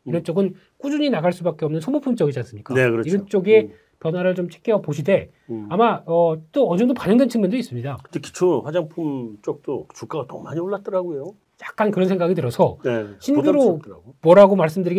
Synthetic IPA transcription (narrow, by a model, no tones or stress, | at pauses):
iɾʌnt͡ɕ͈oɡɯn | k͈ud͡ʑuɲinaɡaɭs͈ubak͈e̞ʌmnɯnsʰomopʰumt͡ɕ͈ʌɡid͡ʑans͈ɯmɲik͈aekɯɾiɾʌnt͡ɕ͈oɡe̞ | pjʌnwaɾɯɭt͡ɕomt͡ɕʰe̥k͈ʰeʌpoɕʰide̞ | amaʌt͈oʌd͡ʑʌŋdopaɲʌŋdwent͡ɕʰɯŋmɯndois͈ɯmɲidaɯndeki̥t͡ɕʰoɸwad͡ʑaŋpʰumt͡ɕ͈ok̚t͈ot͡ɕuk͈aɡatʌmaɲioɭːat̚t͈ʌɾaɡojo | jak̚k͈ankɯɾʌnsʰe̞ŋɡaɡitɯɾʌsʰʌɕʰinɡuɾomwʌɾaɡomaɭs̬͈ɯmdɯɾiɡ